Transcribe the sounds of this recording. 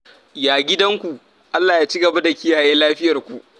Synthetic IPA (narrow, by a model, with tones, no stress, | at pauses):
jaː˨ɡʲɪ˦dɐ˦ŋkʷu˨ʔ | ʔa˦lːaː˨jaː˦t͡ʃi˦ɡɐ˨ba˦da˨kʲɪ˦jaː˨jeː˦laː˦ɸɪ˦jɐ˨rkʷu˨ʔ